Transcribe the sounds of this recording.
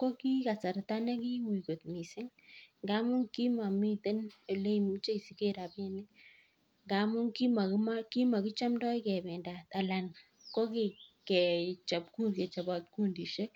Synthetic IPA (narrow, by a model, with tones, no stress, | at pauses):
ko˦ki˦ka˨sa˨ɾta˦nɛ˦ki˦wi˨ko˨tmi˨sɪ˦ŋŋɡa˦mʊ˦ŋki˦ma˨mi˦te˦ne˨le˦mi˦t͡ʃe˦i˨si˨ke˦ɾa˨pe˦nɪ˦ | ŋɡamʊ˦ŋki˦ma˨ma˦ki˦ma˨kɪ˦t͡ʃa˦mdɔ˦jkɛ˨bɛ˨nda˨ta˨la˨n | ko˦ke˨kɛ˨t͡ʃa˨pku˦kɛ˨t͡ʃa˨ba˨t̪̚ku˦ndi˨ʃe˦